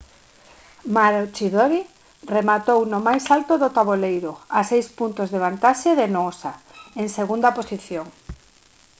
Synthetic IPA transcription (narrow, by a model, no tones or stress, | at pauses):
maɾot͡ʃiðoɾi | remat̪ownʊmajsalt̪ʊðʊt̪aβolejɾʊasejspunt̪ʊzðeβ̞ant̪aʃeðenoosa | eŋseɣund̪aposiθjoŋ